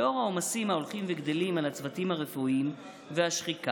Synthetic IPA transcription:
o̞ʁao̞masimaolχimveɡd̪elimalat͡svatimhaʁe̞fuʔim | veaʃχika

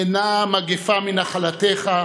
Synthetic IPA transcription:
enamaɡefaminaχalateχa

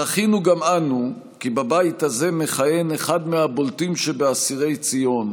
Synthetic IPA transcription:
aχinuɡamanu | kibabaithaze̞me̞χaje̞neχad̪meabo̞ltimʃebeasiʁe̞jt͡sijo̞n

